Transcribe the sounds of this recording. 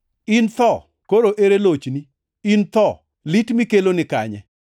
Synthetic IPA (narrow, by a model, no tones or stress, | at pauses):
ɪnt̪ɔ | koɾoʔeɾelot͡ʃni | int̪ɔ | litmikelonɪka̰ɲɛ̰